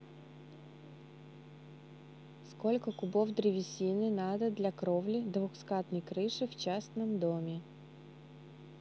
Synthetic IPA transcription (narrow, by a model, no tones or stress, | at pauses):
skɔlʲkɔkʊbɔwd̪ɾʲɪʋʲisʲinɪnɑd̪ɐd̪lʲɐkɾɔwlʲid̪ʋuxskɑt̪nijkɾɪʃɪwt͡ʃɑsnɪmd̪ɔmʲi